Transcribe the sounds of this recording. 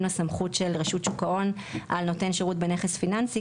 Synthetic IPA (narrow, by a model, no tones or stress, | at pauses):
nasamχutʃe̞lʁeʃutʃukao̞n | ʔalno̞te̞nʃeʁutbeneχesfinansi